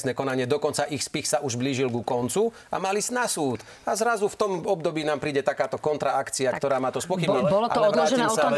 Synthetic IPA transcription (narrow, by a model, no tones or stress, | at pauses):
snɛːkɔnaɲɪɛd̪ɔkɔnt͡saʔixspixsaʔuʒbliːʒilɡukɔnt͡su | a̰maliznasuːt̪ | azɾazuft̪ɔmɔbd̪ɔbiːnaːmpɾiːɟɛt̪akaːt̪ɔkɔnt̪ɾaakt͡siakt̪ɔɾaːmaːt̪ɔspɔxibɲibɔlɔʔaɔlɛd̪ɾaːɛɔsa